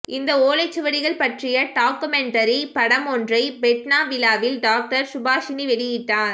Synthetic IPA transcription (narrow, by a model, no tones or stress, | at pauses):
ɪnd̪ɐoːlɐɪt͡ʃːɯʋɐɽɪɣɐɭpɐʈrɪjɐʈaːkɯmɛɳʈɐɾipɐɽɐmɔndrɐɪbɛʈnaːʋɪlaːʋɪlɖaːk̚ʈɐɾsʊbaːʃɪniʋɛɽɪjɪʈːaːɾ